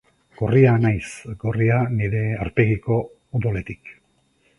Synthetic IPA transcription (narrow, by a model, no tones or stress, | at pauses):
ɡ̥o̞rianajsɡo̞rianiɾe̞aɾpe̞ɣiko̞ | ud̪ole̞t̪i̥k